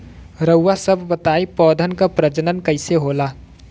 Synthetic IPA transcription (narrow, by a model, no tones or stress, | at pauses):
ɾəwːasəbʱbət̪aːipɔːd̪ʱənkapɾəd͡ʒənənkəɪseɦolaː